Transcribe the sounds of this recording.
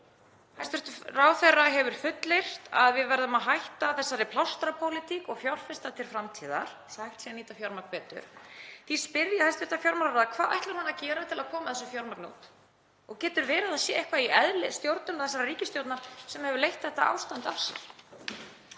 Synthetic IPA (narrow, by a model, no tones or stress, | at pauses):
hajst̪vɪɾ̥t̪ʏraːwθɛrːaɦɛvʏɾ̥fʏt̪lejr̥t̪aðvɪðvɛɾðʏmaðɦajht̪aθɛsːaɾɪpʰlawst̪ɾapʰowlɪt̪ʰikɔɣfjawr̥fɪst̪at̪ʰɪlfɾamt̪ʰiːða̰ɾ̥ | shajht̪sɛniːt̪afjɔwɾmakvɛːt̪ʏ̰ɾ̥θispɪɾjahajst̪vɪɾt̪afjɔwɾmaɾɾaðkʰv̥aːða̰jht̪lɪɾhanːacɛːɾat̪ʰɪlaðkʰɔːmaðθɛsʏfjɔwɾmaɾknṵːt̪ | ɔɣcɛːt̪ʏɾvɛːɾɪðaðsjɛːehkvaiʔɛðlɪst̪jowɾt̪nʏnaθɛsːaɾariːcɪst̪jowt̪nasɛmhɛvʏɾlejht̪θɛht̪ːa̰ʔa̰ːwst̪ant̪a̰fsɛ̰ɾ̥